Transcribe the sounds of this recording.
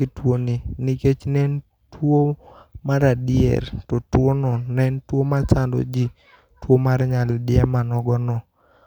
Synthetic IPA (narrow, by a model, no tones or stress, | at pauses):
ɪtwoniniket͡ʃnɛn | twomaɾadɪɛ̰ɾtɔtwonɔnɛntwomat͡ʃando̰d͡ʒi | twomaɾɲaldɪɛmanɔɡɔnɔ